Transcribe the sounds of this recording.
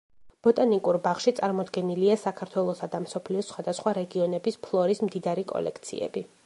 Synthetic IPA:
b̥ɔt̪ʼanikʼuɾbaχʃit̪sʼaɾmɔd̪ɡɛniliasakʰaɾt̪ʰwɛlˠɔsad̪amsɔpʰliɔsχwad̪asχwaɾɛɡiɔnɛbispʰlˠɔɾismd̪id̪aɾikʼɔ̰lɛ̰k̚ʰt̪sʰḭɛ̰bi

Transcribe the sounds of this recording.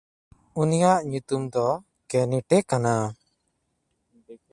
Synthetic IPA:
unijaʔɲut̪umd̪ɔ | kɛniʈɛkana

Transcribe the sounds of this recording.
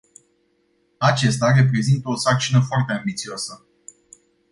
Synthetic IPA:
at͡ʃe̞st̪are̞p̬ɾe̞zint̪əo̞sak̚t͡ʃinəfoart̪e̞ambit̪sioasə

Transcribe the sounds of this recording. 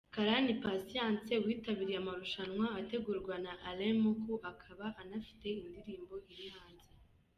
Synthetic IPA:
kaɾanipasijãːnse̞wiːtaβiɾijamaɾuʃanŋwaːte̞ɡuːɾɡwanaʔalemukuʔakʰaβaʔanafi̥te̞indiɾiːmbo̞iɾihaːnze

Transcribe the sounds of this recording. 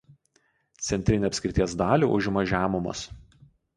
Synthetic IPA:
t̪sʲɛnʲt̪ʲɾʲɪnʲʊɐpʲsʲkʲɾʲɪt̪ʲiɛs̬d̪ɑːlʲuˑʔʊʒʲmɐʒʲæːmʊmɐ̰s

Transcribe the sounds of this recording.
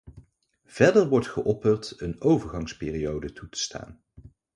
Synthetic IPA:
v̥ɛɹdəɹʋɔɹtχəʔɔpərtənowvəɹχɑŋspɪːriowdətutə̥stʰa̰ːn

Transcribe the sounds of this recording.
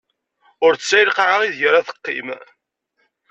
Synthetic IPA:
ʊɾsːæjlqaʕaʁiðʝəɾæθə̥qːḭm

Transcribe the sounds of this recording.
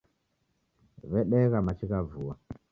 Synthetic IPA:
βɛɗɛɣamat͡ʃikavuwa

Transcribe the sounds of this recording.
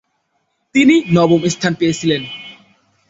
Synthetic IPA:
t̪ininɔbɔmɪ̃st̪ʰãnpesilɛ̃n

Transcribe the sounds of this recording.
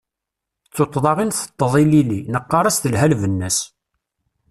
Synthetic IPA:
t͡sːot̪ˤːðˤɑʁinθə̥t̪ˤːəðˤililinəqːɑɾˤɑst̪əlɦælvənːæs

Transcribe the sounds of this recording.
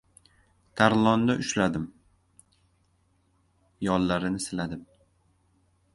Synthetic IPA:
t̪ʰaɾlˠɒnd̪aʔʊʃlad̪ɪm | jɒlːaɾɪnɪsɪlad̪ɪm

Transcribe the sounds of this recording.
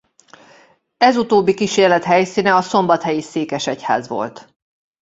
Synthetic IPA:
ɛzut̪oːbːikiʃeːrlɛt̪hɛjsiːnɛɒso̞mbɒt̪hɛjiseːkɛʃɛcha̰ːzʋo̞̰lt̪

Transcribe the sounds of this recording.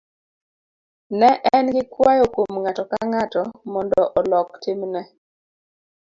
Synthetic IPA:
nɛʔɛnɡɪkwajokomŋatɔkaŋatɔmɔndɔʔɔlɔktɪmnɛ

